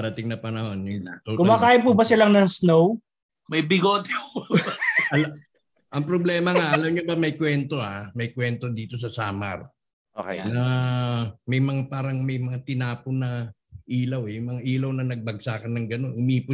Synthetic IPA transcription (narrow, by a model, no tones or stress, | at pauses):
ɐɾɐt̪ɪŋnɐpɐnɐho̞njʊŋnat̪okʊmaːkaːjɪpubɐsɪlaŋnɐŋsnow | mɐjbɪɡoːt̪ɛ | ɐl | ʔɐŋpɾoblɛːmɐŋaʔɐlɐmɲobɐmɐjkwɛnt̪o̞ʔamɐjkwɛnt̪o̞d̪iːt̪o̞s̬ɐsaːmɐ̰ɾ | oknɐ | mɐjmɐŋapaːɾɐŋmɐjmɐŋat̪ɪnaːpʊnɐʔiːlɐwɛjʊŋmɐŋaʔiːlɐwnɐnɐɡ̚bɐɡ̚saːkɐnɐŋɡɐno̞nʊmiːpʊ